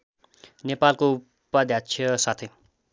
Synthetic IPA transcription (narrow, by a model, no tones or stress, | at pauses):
nepalko | pːʌd̪ʱjat͡sʰiʌsat̪ʰʌj